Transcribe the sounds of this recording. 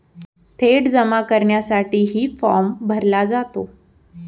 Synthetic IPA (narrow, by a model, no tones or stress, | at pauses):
t̪ʰeʈd͡zəmakəɾɳjasaʈiːɦiːfɔɾmbʱəɾlad͡zat̪o